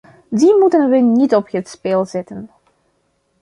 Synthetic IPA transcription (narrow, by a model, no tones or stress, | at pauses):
dimutənʋənitɔphətspɪlˠzɪtən